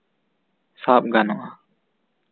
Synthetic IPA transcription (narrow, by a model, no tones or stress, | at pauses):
sap̚ɡanɔʔa